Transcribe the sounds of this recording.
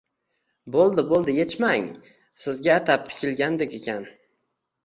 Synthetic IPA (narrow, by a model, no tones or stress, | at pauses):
bolˠd̪ɪbolˠd̪ɪje̞t͡ʃmaŋ | sɪzɡʲaːt̪ʰap̚t̪ʰɪ̥kʲɪlɡʲand̪ekʲe̞kʲʰan